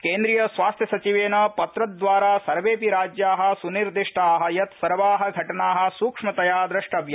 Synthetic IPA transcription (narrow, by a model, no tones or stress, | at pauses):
keːnd̪ɾijɐsʋaːst̪ʰjɐsɐt͡ʃiʋeːnɐpɐt̪ɾɐd̪ʋaːɾaːsɐɾʋeːpiɾaːd͡ʒjaːɦɐ̆suniɾd̪iʂʈaːɦɐ̆jɐt̪sɐɾʋaːɦɐ̆ɡʱɐʈɐnaːɦɐ̆suːkʂmɐt̪ɐjaːd̪ɾɐʂʈɐbjɐ